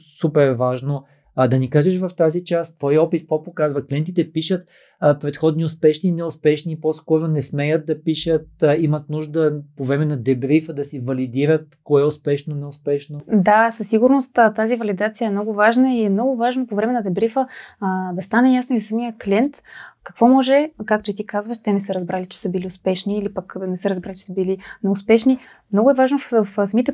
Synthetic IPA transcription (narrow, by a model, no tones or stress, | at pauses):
supɛɾvaʒno | d̪ɐnikaʒɛʃvɐft̪azit͡ʃastt̪vɔjɔpit̪̚pɔpokazvɐklɛnt̪̬it̪ɛpiʃət̪ | pɾɛt̪xɔd̪niʊspɛʃninɛʊspɛʃniːpɔskɔɾonɛsmɛjət̪̚d̪ɐpiʃət̪̚imɐt̪nuʒd̪əpovɾɛmɛnɐd̪ɛbɾifəd̪ɐsivɐlid̪iɾət̪̚koɛʊspɛʃnonɛʊspɛʃnod̪asɐsːiɡʊɾnost̪ːt̪azivɐlid̪at̪sijəɛmnɔɡʊvaʒnəiɛmnɔɡʊvaʒnopovɾɛmɛnɐd̪ɛbɾifəd̪ɐst̪anɛjasnoizɐsɐmijəklʲiɛnt̪kɐkvɔmɔʒɛkak̚t̪oʊit̪ikazvəʃt̪ɛnɛsəɾɐzbɾalit͡ʃɛ̥səbiliʊspɛʃniːlipəknɛsəɾɐzbɾalit͡ʃɛ̥səbilinɛʊspɛʃni | mnɔɡʊɛvaʒnoffsmit̪ɛ